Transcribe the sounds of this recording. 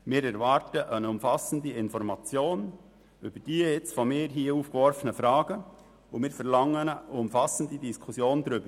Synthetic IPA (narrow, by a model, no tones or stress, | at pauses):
mɪːɾɛɾvɑɾtəʔənʊmfɑsən̩diɪnfɔɾmɑt͡sjoːn | ʔyb̥əd̥iːjɛt͡stfɔmɪːɾɦiːəuːfkʋɔɾfənəfɾɑːɡ̥ə | ʊmɪːɾfɛɾlɑŋːənəʊmfɑsən̩didiskʰusjoːndɾʏb̥əɾ